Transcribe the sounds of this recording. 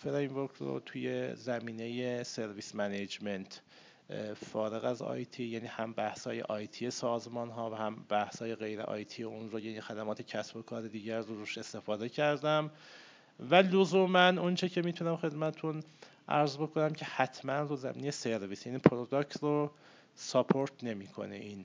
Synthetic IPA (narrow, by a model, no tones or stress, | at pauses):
feɾejmvoɾkʰɾo̰t̪ʰujezæmiːne̞jese̞ɾviːsmæned͡ʒment̪ʰ | fɒːɾe̞ɣæzɒ̰jt̪ʰijæniːhæmbæhshɒːje̞̰ʔɒːjt̪ʰije̞sɒːzmɒːnɦɒːvæhæmb̥æhshɒːje̞ɣe̞jɾḛʔɒ̰ːjt̪ʰijeunɾojæːniːxæd̪æmɒːt̪ʰecʰæsbo̞kʰɒːɾe̞d̪iːɟæɾroɾuʃe̞st̪e̞fɒːd̪e̞cʰæɾd̪æm | vælozuːmænont͡ʃʰecʰe̞miːt̪ʰunæmxe̞d̪mæt̪ʰet̪ʰun | ʔæ̰ɾzbo̞kʰo̞næmcʰe̞hæt̪ʰmænɾozæ̰miːnejese̞ɾviːsjæniːpʰɾod̪oct̪ɾo | sopʰoɾt̪ʰne̞miːkʰo̞̰nḛʔiːn